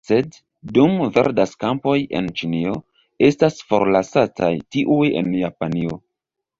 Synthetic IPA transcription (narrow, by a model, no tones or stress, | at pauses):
se̞dː | umve̞̰ɾdaskampo̞je̞̰nt͡ʃinio̞ | e̞stasfo̞ɾlasatajtiʔuje̞̰njapanio̞̰